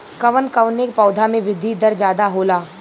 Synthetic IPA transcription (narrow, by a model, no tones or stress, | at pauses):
kɐʋənkəʋnekpɔːd̪ʱamẽʋɪd̪ʱid̪ɐɾd͡ʒjaːd̪aɦoːlaː